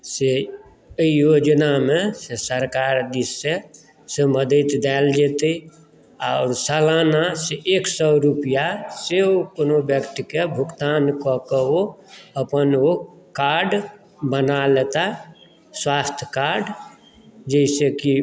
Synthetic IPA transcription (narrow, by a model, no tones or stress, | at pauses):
se | jod͡ʒnamẽsesəɾkaːɾd̪isːe | seməd̪ət̪d̪ɛld͡ʒet̪ei | aʊɾsalaːnaseʔeksɔɾupijaseokonobjəkʈ̪ikebʱʊkt̪aːnkɔkeoəpəno | kaɾɖ | bənalet̪a | swaːst̪ʰjkaɾɖ | d͡ʒəɪseki